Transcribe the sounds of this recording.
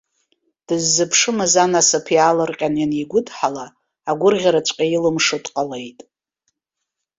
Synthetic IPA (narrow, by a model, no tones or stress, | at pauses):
d̥ɨzːɨpʰʂɨmɨzanasɨpʰjalɨrqʲʼanjaniɡʷʊdħalaː | ɡʷʊrʁʲaɾat͡ʃʷʼqʲʼajilɨmʂɨtʼqʼale̞jtʼ